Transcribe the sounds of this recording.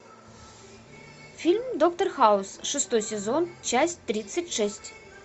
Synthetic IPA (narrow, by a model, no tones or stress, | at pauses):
fʲilʲmd̪ok̚t̪ɐrxaʊsʂɨst̪ojsʲɛzont͡ɕasʲtʲt̪ɾʲit̪sːətʲʂɛsʲtʲ